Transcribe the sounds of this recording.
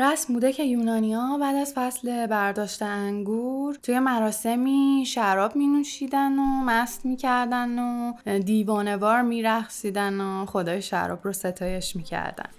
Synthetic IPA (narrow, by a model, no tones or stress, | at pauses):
ɾæsmbuːd̪e̞cʰe̞juːnɒːnijɒbæːd̪æzfæsle̞bæɾd̪ɒːʃt̪eæŋɡuɾt̪ʰuːje̞mæɾɒːse̞miːʃæɾɒːbmiːnuʃiːd̪ænomæst̪miːcʰæɾd̪ænod̪iːvɒːne̞vɒːɾmiːɾæχsiːd̪ænoχo̞d̪ɒːjeʃæ̰ɾɒ̰ːbrose̞t̪ʰɒːje̞ʃmiːcʰæ̰ɾd̪æ̰n